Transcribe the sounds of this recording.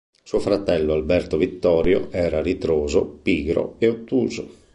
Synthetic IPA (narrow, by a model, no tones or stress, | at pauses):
suofɾat̪ɛlːoalbɛrt̪ovit̪ːɔːɾjo̰ʔɛːɾaɾit̪ɾoːzo̰piːɡɾo̰eot̪ːuːzo